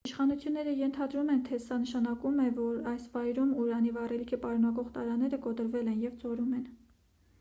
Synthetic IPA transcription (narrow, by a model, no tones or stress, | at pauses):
iʃχɑnut͡sʰjunːɛɾəjɛnt̪ʰɑd̪ɾumɛnt̪ʰɛsɑnəʃɑnɑkumɛvɔɾɑjsvɑjɾumuɾɑnivɑrɛlikʰəpɑɾunɑkɔʁt̪ɑ̰ɾɑnɛɾəkɔt̪əɾvɛlɛnjɛvt͡sɔɾumɛn